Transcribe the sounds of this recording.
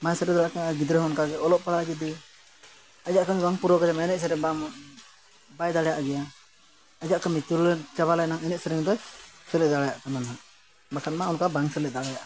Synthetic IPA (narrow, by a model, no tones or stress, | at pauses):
masɛɾɛd̪ɔlaʔkɛaɡid̪ɾɛɦɔnkaɡɛɔlɔʔpaɽaɡid̪i | ad͡ʒaʔkamibaŋpuɾɔkad͡ʒɛmaɛnɛʔ̚sɛɾɛba | bajd̪aɽɛjaʔɡɛja | ad͡ʒaʔkamit̪ult͡ʃaβalanaŋɛnɛʔ̚sɛɾɛŋd̪ɔsɛlɛʔd̪aɽajaʔk̪anana | bakʰat̪̚maunkabaŋsɛlɛʔd̪aɽajaʔa